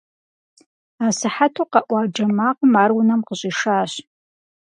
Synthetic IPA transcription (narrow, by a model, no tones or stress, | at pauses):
aːsɨħatʰoqɑʔʷɑːd͡ʒɐmaːqʷəmaːrwʊnɐmqəɕʼiʂaːɕ